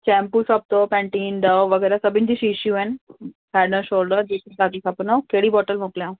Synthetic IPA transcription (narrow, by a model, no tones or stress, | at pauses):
t͡ɕɛ̃mpusəb̚t̪opɛ̃ɳʈiːnɖəʋʋəɡɛːɾasəbʱind͡ʑiːɕiɕũɛn | hɛɖnəɕoːlɖəɾd͡ʑet̪ʰit̪aɡisʰapnokeɽiːbɔʈəlmokljã